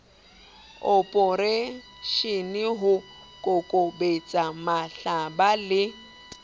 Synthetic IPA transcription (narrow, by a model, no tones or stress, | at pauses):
ɔpʼɔɾe | ʃɪnɪɦʊ | kʼʊkʼobet͡sʼamaɬabalɪ